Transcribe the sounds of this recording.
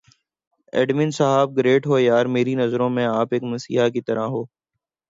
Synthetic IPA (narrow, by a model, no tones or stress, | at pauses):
ɛ̰ːɖmĩːnsəɦaːb̚ɡɾeːʈɦoːjaːɾmeːɾinɐzɾõmẽaːpeːkmɐsḭːɦakit̪ɐɾaɦoː